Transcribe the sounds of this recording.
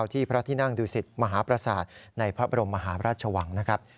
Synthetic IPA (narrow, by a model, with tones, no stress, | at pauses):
wt̪ʰiː˥˩pʰɾa˦˥t̪ʰiː˥˩na˥˩ŋduː˧si˨˩t̪̚ma˧ɦaː˩˦pɾa˧saː˨˩t̪̚na˧jpʰɾa˦˥ba˧ɾo˧mːa˧ɦaː˩˦ɾaː˥˩t̪̚t͡ɕʰa˧wa˩˦ŋna˦˥kʰa˦˥p̚